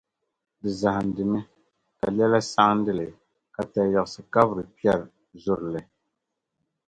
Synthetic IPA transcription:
dɨ˨za˨ha˨n˨dɨ˨nɨ˦ | ka˨lɛ˦la˦sa˦ŋ˦n̩˦dɨ˦lɨ˨ | ka˨ta˨jɔ˨ʔʊ˨sɨ˨ka˦bɾɨ˨pi˦ɛ˦˨ɾ | zʊ˦ɾɨ˨lɨ˨

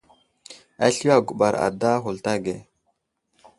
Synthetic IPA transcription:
a˦ɬi˦a˨ɡu˨ɓa˨ɾa̰˨da˦ɦu˨lta˦ɡe˨

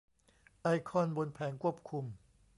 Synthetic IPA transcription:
ʔa˧jkʰɔ˧˥˨nbo˧npʰɛː˩˦ŋkʰu˥˩əp̚kʰu˧m

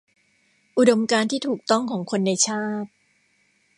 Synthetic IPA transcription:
ʔu˨˩do˧mkaː˧nt̪ʰiː˥˩t̪ʰuː˨˩k̚t̪ɔ˥˩ŋkʰɔː˩˦ŋkʰo˧nːa˧jt͡ɕʰaː˥˩t̪̚

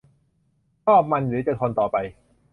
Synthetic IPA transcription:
t͡ɕʰɔː˥˩p̚ma˧nɾɯː˩˦t͡ɕa˨˩t̪ʰɔː˧nt̪ɔː˨˩pa˧j

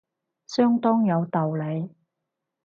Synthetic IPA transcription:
sœː˥ŋt̪ɔː˥ŋjɐ˨˧wt̪ɐ˨wle˨˧j

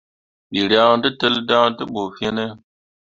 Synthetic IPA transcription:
ɓi˨ɾjã˦tə˦tə˦lda˦tɨ˦ɓo˨fe˦ne˦

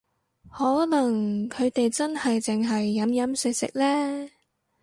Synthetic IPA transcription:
hɔː˨˥lɐ˨˩ŋkʰɵ˨˧ɥt̪e˨jt͡sɐ˥nhɐ˨jt͡sɪ˨ŋɦɐ˨jːɐ˨˥mjɐ˨˥msɪ˧˥k̚sɪ̰˨k̚lɛː˥

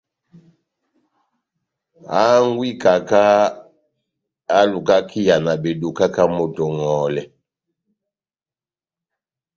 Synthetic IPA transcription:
a˦ŋ˦ɡwi˦ka˨ka˦ | a˦lu˨ka˦ki˦ja˨na˨be˨du˨ka˦ka˦mo˨to˨ŋɔ˨lɛ˨

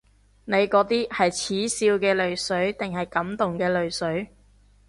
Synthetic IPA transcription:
ne˨˧jkɔː˨˥t̪iː˥hɐ˨jt͡sʰiː˨˥siː˧wkɛː˧lɵ˨ɥsɵ˨˥ɥt̪ɪ˨ŋhɐ˨jkɐ˨˥mt̪ʊ˨ŋkɛː˧lɵ˨ɥsɵ˨˥ɥ

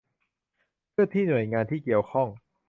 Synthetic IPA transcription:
pʰɯ˥˩t̪ʰiː˥˩nu˨˩əjŋaː˧nt̪ʰiː˥˩ki˨˩əwkʰɔ˥˩ŋ

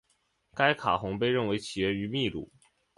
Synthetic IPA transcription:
ka˥ɪkʰa˨˩xʊ˧˥ŋpe˥˧ɪɻə˥˩nwe˧˥ɪt͡ɕʰi˨˩jɛ˥˩ny˧˥mi˥˧lṵ˥˩

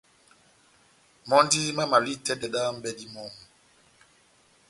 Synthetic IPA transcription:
mɔ˦ndi˦ma˦ma˨li˦tɛ˦dɛ˨ɗa˦m̩˦bɛ˨di˦mɔ˨m˨

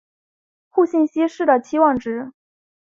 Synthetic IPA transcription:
xu˥˧ɕi˥˩nɕi˥ʂɻ̩˥˩d̪ə˩t͡ɕʰi˥wɑ˥˩ŋʈ͡ʂɻ̩˧˥

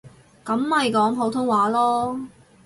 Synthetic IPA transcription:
kɐ˨˥mhɐ˨jkɔː˨˥ŋɦo˨˥wt̪ʰʊ˥ŋwaː˨˥lɔː˥

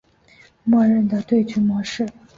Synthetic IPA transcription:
ma˥˨ɻə˥˩nd̪ə˨t̪we˥˩ɪt͡ɕʰy˧˥mɑ˧˥ʂɻ̩˥˩

